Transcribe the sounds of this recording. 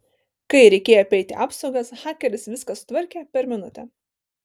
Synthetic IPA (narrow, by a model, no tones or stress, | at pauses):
kɐɪɾʲɛɪkʲeːjopʲɛɪt̪ʲɪ̰ʔɑːpsɒʊɡɐsxɑːkʲɛɾʲɪsʋʲɪskɐsʊ̥t̪ʋɐɾʲkʲeːpʲɛɾmʲɪnʊt̪ʲɛ